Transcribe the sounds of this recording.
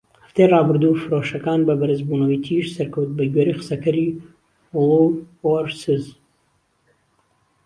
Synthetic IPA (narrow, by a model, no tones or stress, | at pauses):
hɐft̪ejrɑːbɨɾd̪uːfɨɾoʃɐkaːnbɐbɐɾɨzbuːnɐwiːt̪ʰiʃsɐɾkɐwt̪̚bɐɡɥeɾiqɨ̥sɐkɐɾi | wʊlˠuw | oɾsɨz